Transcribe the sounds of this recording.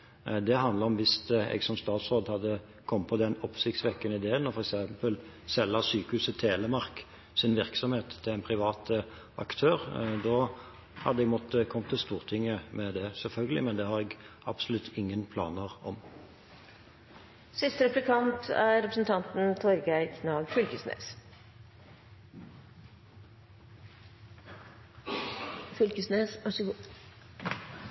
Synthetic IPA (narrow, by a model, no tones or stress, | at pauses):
d̪ɛɦɑnd̪ləʁɔmʋɪsɛ̰ɡsɔmst̪ɑːt̪sʁoːd̪hɑd̪ːə | kʰɔmːpʰɔd̪ɛnɔpːsɪçt̪sʋɛkːənəɪd̪eːənːɔʁfɔɾɛksɛmpəl | sɛlːəsyːkəhʉːsət̪ʰeːləmɑʁk | sɪnʋɪɾksɔmheːt̪ʰːɪlæɪnpʰɾɪʋɑːt̪ə | ɑ̰kt̪ʰøːɾd̪oː | hɑd̪əɛɡmɔt̪ːəkʰɔmt̪ʰːɪlst̪uːʁt̪ʰɪŋːəmɛd̪ɛsɛlfœlɡəlɪ̰mɛnd̪ɛhɑɾɛɡɑb̥sɔlʉt̪ʰːɪŋːənpʰlɑ̰ːnəʁɔ̰m | sɪst̪əɾɛplɪkʰɑnt̪ʰæɾɛpɾəsn̩t̪ʰɑnt̪n̩t̪ʰɔɾɡæɪkʰnɑːɡfʏlkəsnḛːs | fʏlkəsneːsɑʂəɡ